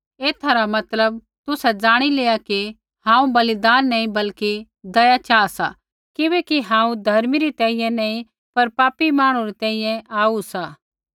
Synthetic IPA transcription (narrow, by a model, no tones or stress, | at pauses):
eːt̪ʰaɾamɐt̪ləb̚ | t̪ʊsɛd͡zaːɽ̃ileːaki | hãːũbɐlɪd̪aːnːɐːĩbɐlki | d̪ɐjat͡ʃaːsa̰ | kɪbeːkiɦãːũd̪ʱɐɾmiɾit̪ɛ̃ːĩjɛ̃nɐ̃ːĩ | pɐɾpaːpimaːɽ̃ũɾɛt̪ɛ̃ːĩjɛ̃ʔaːusa